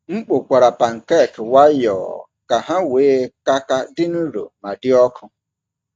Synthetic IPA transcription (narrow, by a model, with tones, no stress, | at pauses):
ŋ͡m̩˦k͡po˨kʷa˨ɾa˨pa˨ŋ̩˨kɛ˦˨kwa˦jɔ̰ː˨ | ka˨ɦa˦weː˨˦ka˦ka˦dɪ˦nʊ˦ɾo̰˨ma˨dɪ˦ɔ˦kʰʊ˦